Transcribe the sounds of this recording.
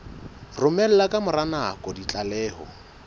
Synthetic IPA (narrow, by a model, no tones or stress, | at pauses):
rʊmɛl̩lakʼamʊranakʼɔdit͡ɬʼalɛːhɔ̰